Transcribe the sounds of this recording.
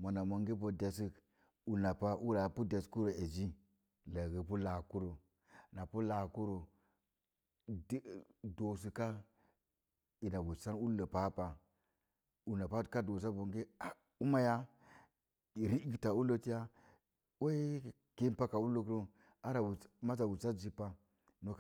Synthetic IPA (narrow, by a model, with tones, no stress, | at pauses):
mo˨na˨mo˨ŋɡi˦bo˨de˨si˦k | u˨na˨pa˦ʔu˦ɾa˨pu˦de˨sku˦ɾo˨e˨d͡ʒi˦ | la˨ɡə˨pu˦la˨ku˦ɾo˨ | na˨pu˦la˨ku˦ɾo˨ | ddo˨s̬i˨ka˦ | i˨na˨bu˨sa˦nu˦lə˨pa˦pa˨ | u˨na˨pa˦ka˦do˨s̬a˦bo˨ŋɡe˦a˨ | u˦ma˦ja˦˨ | ɾi˦˨ta˨u˦lo˦ti˦ja˦ | we˦ | ke˦pa˦ka˨u˦lo˦k̬ɾo˦ | a˦ɾa˨wu˨ma˦sa˨wu˨sa˦d͡ʒi˦pːa˦ | no˦